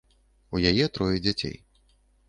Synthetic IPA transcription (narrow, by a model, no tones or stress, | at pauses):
ujajɛt̪ɾɔjɛd͡zʲat͡sʲḛj